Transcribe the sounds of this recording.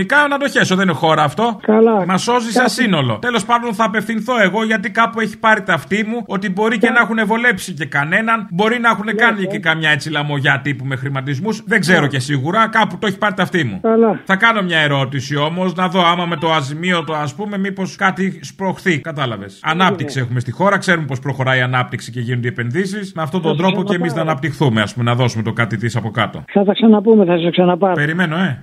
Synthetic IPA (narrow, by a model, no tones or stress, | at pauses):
nikɐnɐd̪o̞çe̞soðeninexo̞ɾɐːft̪o̞kɐlɐmɐso̞zisɐsino̞lo̞̰t̪e̞lo̞spɐnd̪o̞nθɐːpe̞fθinθo̞e̞ɣo̞ʝɐt̪ikɐpue̞çi̥pɐɾit̪ɐft̪imuo̞t̪ibo̞ɾice̞nɐxune̞vo̞le̞psice̞kɐne̞nɐnbo̞ɾinɐexune̞kɐnicekɐmɲɐet͡silɐmo̞ʝɐt̪ipume̞xɾimɐt̪izmusðe̞ɡze̞ɾo̞ce̞siɣuɾɐkɐput̪oeçi̥pɐɾit̪ɐft̪imṵkɐlɐθɐkɐno̞mɲɐe̞ɾo̞t̪isio̞mo̞znɐðo̞ɐmɐmet̪o̞ɐzimio̞t̪oɐspume̞mipo̞skɐt̪ispɾo̞xθikɐt̪ɐlɐve̞sɐnɐp̚t̪iksie̞xume̞st̪ixo̞ɾɐkse̞ɾume̞po̞spɾo̞xo̞ɾɐiɐnɐp̚t̪iksice̞ʝinod̪iepe̞nðisismeɐft̪o̞t̪ond̪ɾo̞poceːmiznɐːnɐp̚t̪ixθumeɐ̰spumenɐðo̞sume̞t̪o̞kɐt̪it̪isɐpo̞kɐt̪o̞̰θɐθɐksɐnɐpumeθɐsɐsksɐnɐpɐpeɾime̞no̞e̞